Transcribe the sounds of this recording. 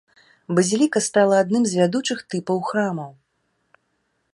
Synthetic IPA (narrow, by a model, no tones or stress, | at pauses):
bɐzʲilʲikɐst̪alˠɐːd̪nɨmzʲvʲad̪ut͡ʂɨxt̪ɨpɐwxɾamɐw